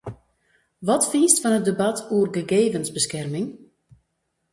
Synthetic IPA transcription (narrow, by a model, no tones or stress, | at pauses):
ʋɔtfiːstfɔnət̚dəbatʰuərɡəɡeːvənzbəskɛrmɪŋ